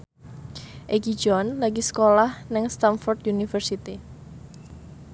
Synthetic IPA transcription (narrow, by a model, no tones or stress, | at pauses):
ʔeɡi̥d͡ʒɔnlaɡisə̥kolahnɪŋst̪anfɔrt̪junifərsit̪i